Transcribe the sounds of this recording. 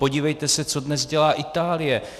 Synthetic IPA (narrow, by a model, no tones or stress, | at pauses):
po̞ɟiːvɛjt̪ɛsɛt͡so̞dnɛzɟɛlaːʔɪt̪aːlɪjɛ